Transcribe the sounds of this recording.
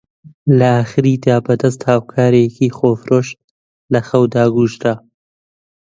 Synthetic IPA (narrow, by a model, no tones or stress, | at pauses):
lɐaːxɨɾiːd̪aːbɐd̪ɐst̪haːwkʰaːɾekiːxoːfɾoːʃ | lɐxɐwd̪aːɡuːʃt̪a